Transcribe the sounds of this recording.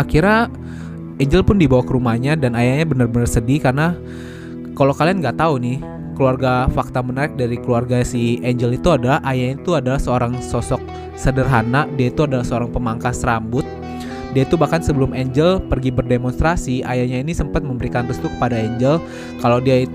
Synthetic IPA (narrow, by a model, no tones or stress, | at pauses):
akiɾa | ʔɛɲd͡ʒəlpʊndibawakəɾumahɲadanajaɲabənərbənərsədikarna | kalawkalianŋɡaʔt̪aunɪh | kəluarɡafak̚t̪amənaɾɪk̚daɾikəluarɡasieɲd͡ʒəlit̪uadalahajaɲait̪uadalahsəoɾaŋsɔsɔk̚ | sədərɦanadiait̪uadalahsəoɾaŋpəmaŋkasrambʊt̪̚ | diait̪ubahkansəbəlʊmeɲd͡ʒəlpərɡibərdemɔnst̪ɾasiajaɲainisəmpat̪̚məmbəɾikanrəst̪ukə̥padaeɲd͡ʒəl | kalawdiai